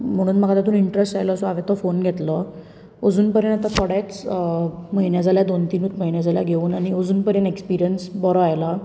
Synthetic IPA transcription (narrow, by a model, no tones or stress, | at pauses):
m̤əɽ̃uːnm̤aɡat̪at̪uːiɳʈɾesʈajlɔːsɔaʋet̪ɔfonɡʱet̪lɔ | əd͡zuːnpəɾjənat̪at̪ʰɔɽat͡s | məɦinjad͡zʱaljad̪ont̪inuːt̪məinjad͡zʱalja̰ɡʱeuːnaɽ̃iəd͡zuːnpəɾjənekspiɾijənsbɔɾɔajla